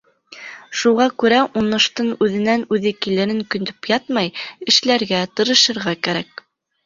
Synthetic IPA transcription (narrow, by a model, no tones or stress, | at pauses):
ʃuʁɑkʉɾæʔunːɤ̆ʃt̪ɤnʉðɘ̆nænʉðɘkilɘ̆ɾɘŋkɵ̆nd̪ɵpjɑt̪mɑjɘ̆ʃlæɾɡæt̪ɤ̆ɾɤ̆ʃɤ̆ɾʁɑkæɾæk̚